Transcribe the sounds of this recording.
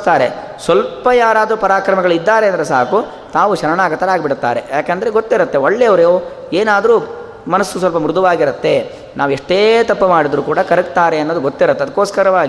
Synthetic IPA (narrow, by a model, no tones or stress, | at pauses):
t̪aːɾe | sʋɐlpɐjaːɾaːd̪ɾupɐɾaːkɾɐmɐɡɐɭid̪ːaːɾeɐnd̪ɐɾesa̰ːku | t̪aːʋuʃɐɾɐɳaːɡɐt̪ːɐɾaːɡbiɽut̪ːaːɾe̞̰jaːkeːnd̪ɐɾeɡot̪ːiɾɐt̪ːe̞oɭːeɐʋɐɾejoː | eːnaːd̪ɾu | mɐnɐsːus̬ʋɐlpɐmɾud̪ʱuʋaːɡiɾɐt̪ːe̞ | naːʋɛʂʈeːt̪ɐpːɐmaːɽid̪ɾuːkuːɽɐkɐɾɐkt̪aːɾe̞ɐnːoːd̪uɡot̪ːiɾɐt̪ːeɐd̪ɐkːoːskɐɾɐʋaːɡi